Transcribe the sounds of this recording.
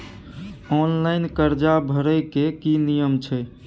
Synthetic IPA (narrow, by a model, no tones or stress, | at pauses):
ɔnlaɪnkəɾd͡ʒabʱəɾəjkekinijəmt͡ʃʰɛ